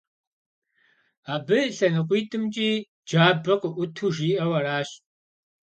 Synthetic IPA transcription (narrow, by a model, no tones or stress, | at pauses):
aːbɨɬɐnɨqʷiːtʰʼɨmt͡ʃʼiː | d͡ʒaːbɐqəʔʷʊtʰuːʒiːʔɐwɐraːɕ